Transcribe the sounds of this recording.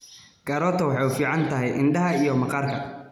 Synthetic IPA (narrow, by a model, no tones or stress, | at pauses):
ɡ̥ɐɾɔːt̪ʰɐwɑħɑjʊfiːʕɑnt̪ʰɐɦɛjʔɪnɖɐɦɐijɔmɐqɑːrkʰɐ